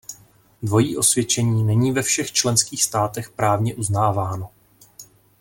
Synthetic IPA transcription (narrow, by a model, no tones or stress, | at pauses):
dvo̞jiːʔo̞svjɛt͡ʃɛɲiːnɛɲiːvɛfʃɛxt͡ʃlɛnskiːxst̪aːt̪ɛxpɾaːvɲɛʔuznaːvaːno̞